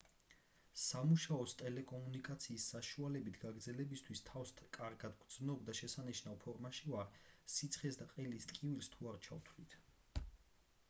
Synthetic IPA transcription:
samuʃaɔst̪ʼɛlɛkʼɔmunikʼat̪sʰiːsːaʃualɛbit̪ʰɡ̥aɡɾd̪zɛlɛbist̪ʰwist̪ʰafst̪ʰkʼaɾɡad̪ɡd̪znɔbd̪aʃɛsaniʃnavpʰɔɾmaʃivaɾsit̪sʰχɛsd̪aqʼɛlist̪ʼkʼivilst̪ʰuaɾt͡ʃʰa̰wt̪ʰlit̪ʰ

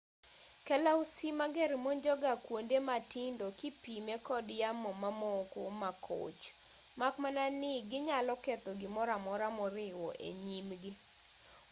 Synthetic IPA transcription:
kɛlausimaɡɛɾmoɲd͡ʒɔɡakwondematɪndokipimekɔdjamɔmamɔkomakʰo̰t͡ʃ | makmananɪɡɪɲalɔkɛt̪ɔɡɪmɔɾamɔɾamɔɾɪwɔ̰ʔḛɲimɡɪ

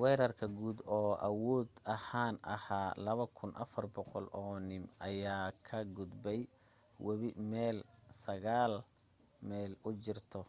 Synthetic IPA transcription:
wɛːɾɐrkʰɐɡuːd̪ɔːʔɐwɔːd̪ɐhaːnʔɐ̰haːlɐβɐkʰʊnʔɐ̰fɐrbɔqɔlʔɔːnɪmɐjaːkʰɐɡʊd̪bɛj | wɐβɪmɛːlsɐɣaːl | mɛːlʊt͡ʃɪrt̪ʰɔ

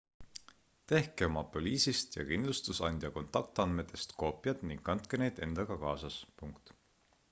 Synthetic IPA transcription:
t̪e̞hkeomɑpolʲiːsist̪jɑ̰kind̪lust̪usɑnʲd̪̥ʲjɑko̞nt̪ˑɑk̚t̪ɑnd̪me̞t̪ːˑe̞st̪ko̞ːpˑjɑt̪niŋɡ̥kɑnt̪̚ˑkene̞jd̪̥e̞nd̪̥ɑɡ̥ɑkɑːsɑspuŋkt̪

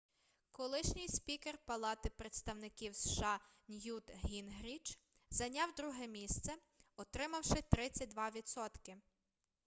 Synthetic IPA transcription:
kɔlˠɪʃnʲɪjspʲikerpɐlˠɑt̪ɪpɾet̪st̪ɐwnɪkʲiwsʃɑnʲjut̪ɦʲinɦɾʲit͡ʃ | zɐnʲɑwd̪ɾuɦɛmʲist̪sɛ | ɔt̪ɾɪmɐwʃɪt̪ɾɪt͡sʲːɐt̚ʲd̪ʋɑʋʲit̪sɔt̪kɪ

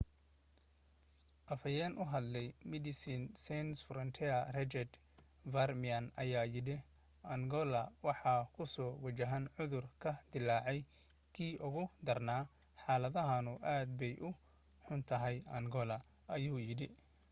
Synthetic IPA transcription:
ʔɐfɐjɛnʔʊɦɐd̪lɛjmɪd̪ɪsinsɛnsfɾɔnt̪ʰɛɐrɛt͡ʃɛd̪ | varmiɐnɐ̰jaːjɪɽɪ | ʔɐŋɡɔlɐwɑħɑːkʰʊsɔːwɐt͡ʃɐɦɐnʕʊðʊrkʰɐd̪ɪlɑːʕɛj | kʰiːʔʊɣʊd̪ɐrnaː | ħɑːlɐðɐɦɐnʊʔaːd̪̚bɛjʔʊ | ħʊnt̪ʰɐɦɛjɐ̰ŋɡɔlɐ | ɐjuːjɪɽɪ

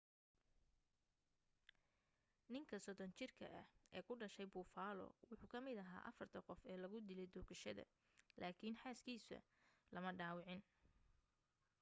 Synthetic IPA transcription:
nɪŋkʰɐsɔðɔnt͡ʃɪrkʰɐ̰ʔɐhɛːkʰʊɖɐʃɛjbuːfaːlɔ̰wʊħuːkʰɐmɪd̪ɐɦa̰ːʔɐfɐrt̪ʰɐqɔfɛːlɐɣʊd̪ɪlɛjd̪ɔːkɐʃɐ̰ðɐ̰ | lʔaːkʰinħaːskʰiːsɐ̰ | lɐmɐɖaːwɑʕɪn

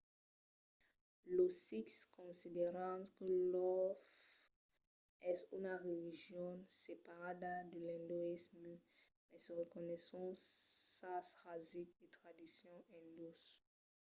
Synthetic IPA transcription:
losikskɔ̃sid̪eʁɑ̃kəlɔf | ɛsy̰naʁeliʒjɔ̃nsepaʁad̪ad̪əlɛ̃d̪oism | mɛsəʁəkɔnɛsɔ̃sasʁazik̚et̪χad̪isjɔ̃ʔɛ̃d̪os

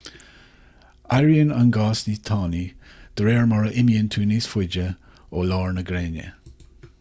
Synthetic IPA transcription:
aɹjənanɡɑːsniːt̪ʰɑːnid̪̥əɾeːɹmɔɹəʔɪmiənt̪ʰuːniːsfɪd͡ʒə | oːlɑːɹnəɡɾeːnə̰

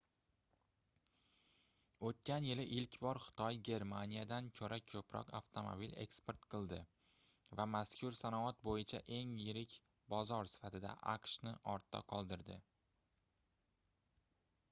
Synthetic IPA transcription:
ot̪̚kʲanjɪlɪʔɪlkʲbɒɾχɨ̥t̪ʰɒjɡʲe̞ɾmanijad̪ankʲʰoɾʔakʲʰɵpɾɒ̰qa̰ft̪ʰomo̰bile̞̰kspe̞ɾt̪qʰɨlˠd̪ɪ | vamaskʰʲʊɾsanɒat̪̚bojɪt͡ʃʰa̰ʔe̞ŋjɪɾɪkʲ | bɒzɒɾsɪ̥fat̪ɪd̪a̰ʔa̰qʃnɪʔɒɾt̪ʰːa̰qʰɒlˠd̪ɪɾd̪ɪ̰

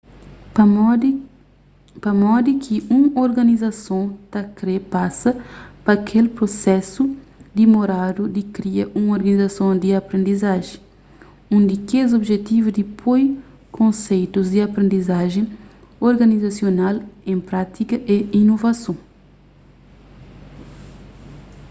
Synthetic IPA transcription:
pɐmɔd̪ikʰiũoɾɡɐnizɐsõt̪ɐkɾepasɐpɐkʰelpɾosɛsud̪imoɾad̪ud̪ikɾiɐʔũŋoɾɡɐnizɐsõd̪iɐpɾẽnd̪izaʒẽ | ũnd̪ikezobʒet̪ivud̪ipʰoj | kʰõnsejt̪uzd̪iɐpɾẽnd̪izaʒẽ | oɾɡɐnizɐsjonalẽmpɾat̪ikɐʔeinovɐsõ

